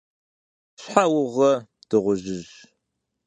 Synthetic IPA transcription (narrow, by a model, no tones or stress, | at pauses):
ɕħawʊʁɐd̥ɨʁʷʊʑɪʑ